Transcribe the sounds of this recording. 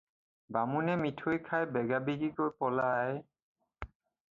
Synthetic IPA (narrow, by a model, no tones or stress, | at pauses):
bamunɛmitʰojkʰajbɛɡabiɡikojpɔlaj